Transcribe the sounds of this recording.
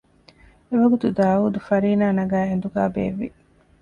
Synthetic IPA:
eʋɐɡut̪ud̪aːuːd̪ufɐɾiːnaːnɐɡæːɦend̪uɡaːbḛːʋːḭ

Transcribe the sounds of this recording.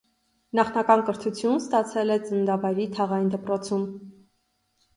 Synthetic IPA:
nɑχnɑkɑnkəɾt̪ʰut͡sʰjunst̪ɑt͡sʰɛlɛt͡sənd̪ɑvɑjɾit̪ʰɑʁɑjnd̪əpɾɔt͡sʰum

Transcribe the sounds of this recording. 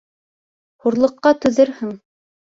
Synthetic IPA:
huɾlˠɤ̆qːɑt̪ɵ̆ðɘɾhɘŋ

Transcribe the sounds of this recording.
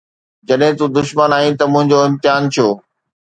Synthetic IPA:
d͡ʑɐɗɦɪ̃t̪ũd̪ʊʃmənaːĩt̪ɐmʊ̃ɦɪ̃ɲd͡ʑoɪ̃mt̪ɪjaːnt̪ʰijoː

